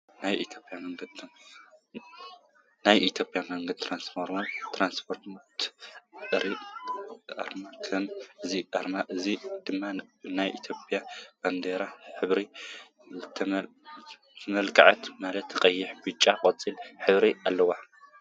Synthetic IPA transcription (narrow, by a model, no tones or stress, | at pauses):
najʔit̪ʰjo̞pʼjamɐŋɡɐd̪ | najʔit̪ʰjopʼjamɐŋɡɐd̪̚t̪ʰɾansfoɾmot̪ʰɾanspʰoɾt̪t̪ | ɨɾi | a̰ɾmakʰɐmʔɨziʔaɾmaʔɨzid̪̥ɨmːanajʔḭt̪ʰjopʼjab̥and̪eɾaħɨβɾi | t̪ʰ | t̪ʰɐmɐlkʼaʕat̪malɐt̪ʰɨkʼɐjːɪħbɨt͡ʃʼːakʼɐt͡sʼilħɨβɾialːɐwa